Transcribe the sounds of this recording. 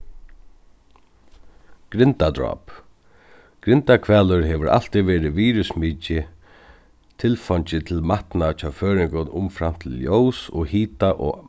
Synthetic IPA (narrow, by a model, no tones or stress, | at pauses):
ɡ̥ɾɪnt̪ad̪ɹɔ̰ːp | ɡ̥ɾɪnt̪akʰvɛːlʏɾɦɛʋəɾa̰l̥t̪iʋɛːɾɪʋiːɾʏsmiːcɪ | t̪ʰɪlfɔɲt͡ɕɪt̪ʰɪlmaht̪nat͡ʃʰaːføːɾɪŋkʊnʊmfɾam̥t̪ʰɪljowsɔ̰hiːt̪aʔɔ̰